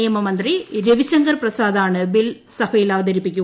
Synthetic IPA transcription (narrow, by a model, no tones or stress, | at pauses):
jɐmɐmɐnd̪riɾeʋiɕɐŋɡɐrprɐsaːd̪aːɳɨbil | sɐbɐjilaːʋɐd̪ɐɾipːikʲːu